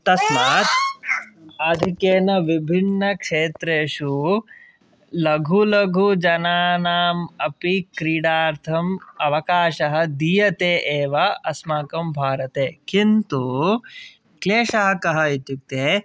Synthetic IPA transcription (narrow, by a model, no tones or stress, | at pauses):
t̪ɐsmaːt̪ | aːd̪ʱikeːnɐʋibʱinːɐkʂeːt̪ɾeːʃu | lɐɡʱulɐɡʱud͡ʒɐnaːnaːmɐpikɾiːɽaːɾt̪ʰɐmɐʋɐkaːʃɐɦɐ̆d̪ijɐt̪eːʔeːʋɐɐsmaːkɐmbʱaːɾɐt̪eːkint̪u | kleːʂɐɦɐkɐɦɐit̪juk̚t̪eː